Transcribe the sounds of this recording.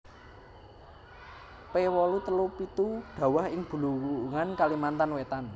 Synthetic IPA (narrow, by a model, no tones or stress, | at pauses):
pewɔlut̪əlupit̪uɖ̥ä̤wahɪŋb̥ṳluŋankalimant̪anwet̪an